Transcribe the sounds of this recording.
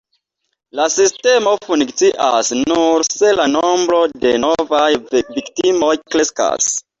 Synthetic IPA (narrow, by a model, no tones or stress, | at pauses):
lasiste̞mo̞funkt͡siʔa̰snuɾse̞lano̞mbɾo̞de̞novajviktimojkɾe̞ska̰s